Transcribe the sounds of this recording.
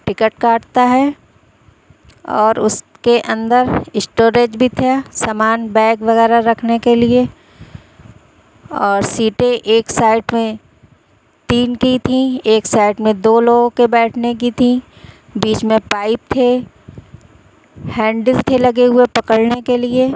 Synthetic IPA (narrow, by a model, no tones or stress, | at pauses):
ʈɪkəʈkaːʈt̪aɦɛː | ɔːɾʊ̰s | keʔɐ̃nd̪əɾɪsʈoːɾeːd͡ʒbʱit̪ʰasaːmaːnbɛ̃ːkʋɐɣɛːɾaɾɐkʰnekelie | ɔːɾsiːʈẽʔeːksaːɪʈmẽ | t̪iːnkit̪ʰĩeːksaːɪʈmẽd̪oːloːɡõkebɛːʈʰnek̬it̪ʰĩ | biːt͡ʃmẽpaːɪp̚t̪ʰe | hɛ̃ːɳɖəlt̪ʰelɐɡeɦʊepɐkəɽnekelie